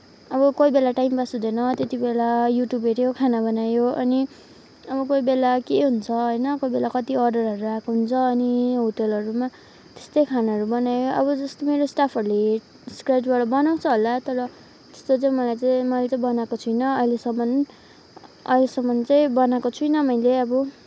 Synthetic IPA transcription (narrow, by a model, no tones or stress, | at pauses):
ʌbʌkojbelaʈajmbasɦud̪ʌnʌt̪et̪ibelajuʈjubeʈjokʰanabʌnajoʌni | ʌbʌkoibelakeɦunt͡sʰʌɦojnʌkojbelakʌt̪iʌrɖʌrʌɾuakoɦunt͡sʰʌːniɦoʈelʌɾuma | t̪e̥st̪ʌjkʰanaʌɾubʌnajoʌβʌd͡zʌst̪omeɾosʈapʰʌɾule | skrajʈbaɽʌbʌnaw̃t͡sʰʌɦolat̪ʌɾʌ | t̪e̥st̪ot͡saĩmʌlajt͡saĩmʌlet͡sãbʌnakot͡sʰujnʌʌɦilesʌmːʌn | ʌ̰ɦilesʌmːʌnt͡saj̃bʌnakot͡sʰujnʌmʌjleʌbʌ